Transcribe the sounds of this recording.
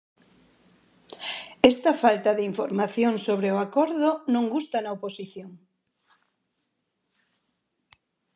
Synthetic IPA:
ɛst̪ɐfalt̪ɐðɪiɱfoɾmaθjoŋsoβ̞ɾeoakɔɾðʊnõŋɡust̪anɐoposiθjoŋ

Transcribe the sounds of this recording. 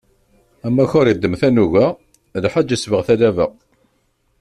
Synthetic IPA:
æmːæçʊɾjəd̪ːəmθænuʝæ | lħad͡ʒːəsvəʁθælævəʁ

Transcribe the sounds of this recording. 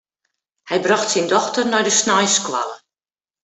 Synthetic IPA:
hɛjbraxtsɪndɔxtərnɔjdəsnajskwa̰lə

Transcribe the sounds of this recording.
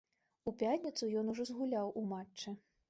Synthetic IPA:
upʲatʲnʲit̪sujɔnuʐɔzɣulʲawumat͡ʂt͡ʂːɨ

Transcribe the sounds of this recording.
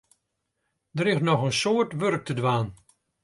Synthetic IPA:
dəɾɪxnɔxənsoːətʋørk̚tʰədʋaːn

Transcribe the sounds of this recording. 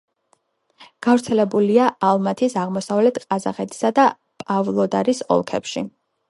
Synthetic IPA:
ɡ̥avɾt̪sʰɛlɛbuliaalˠmat̪ʰisaʁmɔsavlɛt̪ʰqʼazaχɛt̪ʰi̥sad̪a | pʼavlˠɔd̪aɾisɔ̰lˠkʰɛ̰pʃḭ

